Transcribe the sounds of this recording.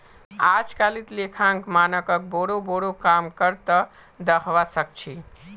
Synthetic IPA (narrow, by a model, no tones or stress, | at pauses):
ad͡ʒkalit̪lekʰãŋkmanəkək̚boɽoboɽokamkəɾt̪ə | d̪əkʰʋasək̚t͡ʃʰi